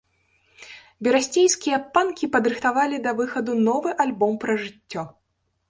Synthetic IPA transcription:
bʲɛɾasʲt͡sʲejskʲijɐpankʲipɐd̪ɾɨxt̪avalʲid̪ɐvɨxɐd̪unɔvɨʔalʲbɔmpɾɐʐɨt͡sʲːɔ

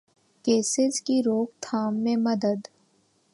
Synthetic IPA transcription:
keːsɪd͡ʒkiɾoːk̚t̪ʰaːmːẽmɐd̪əd̪

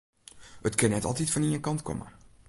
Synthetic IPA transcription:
ətkənːɛtɑ̰lˠtitfɔniənkɑntkʰɔ̰mə̰

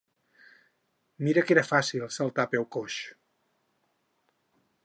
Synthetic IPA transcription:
miɾəkeɾəfasilˠsəlˠt̪apɛwkoʃ

